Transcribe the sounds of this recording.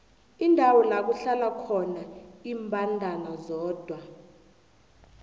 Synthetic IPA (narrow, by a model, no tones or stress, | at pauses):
indʱawɔnak̬uɬalakʰɔnaiːmbʱandʱanazɔːd̥ʱwa